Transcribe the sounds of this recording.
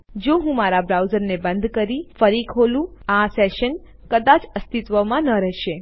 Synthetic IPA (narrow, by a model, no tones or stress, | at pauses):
d͡ʒoɦũmaɾabɾawzəɾnebənd̪kəɾifəɾikʰolũasɛʃən | kəd̪at͡ʃəst̪it̪ʋəmãnəɾɛɦʃe